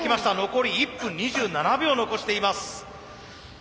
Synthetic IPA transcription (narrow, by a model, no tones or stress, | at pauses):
kʲimaɕi̥t̪ano̞ko̞ɾʲiːpːɯ̟̃ɲɲːiʑɨːnanabʲoːno̞ko̞ɕi̥t̪e̞imasɨ̥